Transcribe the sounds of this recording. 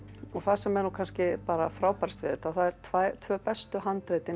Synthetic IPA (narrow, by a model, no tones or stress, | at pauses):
ɔɣθasɛmɛɾnukʰanscɪpaːɾafɾaːwpaɾ̥t̪vɪðɪt̪aθaðɛɾ̥t̪ʰvajt̪ʰvœːpɛst̪ʏɦant̪ɾeːjt̪ɪ